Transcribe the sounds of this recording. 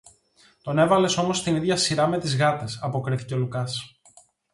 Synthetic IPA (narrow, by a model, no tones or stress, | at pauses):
t̪o̞ne̞vɐle̞so̞mo̞st̪iniðʝɐsiɾɐme̞t̪izɣɐt̪e̞sɐpo̞kɾiθi̥ceolukɐs